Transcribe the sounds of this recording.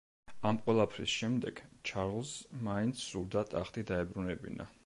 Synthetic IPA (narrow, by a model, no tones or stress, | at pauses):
amqʼwɛlˠapʰɾḭsʃɛmd̪ɛɡ̥t͡ʃʰaɾʁlˠsmaint̪sʰːuɾd̪at̪ʼaχt̪ʼid̪aɛbɾunɛbḭna̰